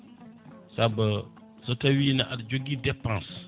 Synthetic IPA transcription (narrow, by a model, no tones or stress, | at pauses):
sabə | sɨtawinãʔadd͡ʒoɡidɛpãs